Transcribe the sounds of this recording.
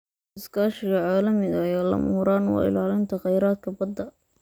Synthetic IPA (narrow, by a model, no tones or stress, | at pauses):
ɪskʰaːʃɪɣɐʕaːlɐmɪɣɐjaːlɐ̰muɾaːnwɑ̰ːɪ̰laːlɪnt̪ʰɐqɛjɾaːd̪̚kʰɐbɐd̪ːɐ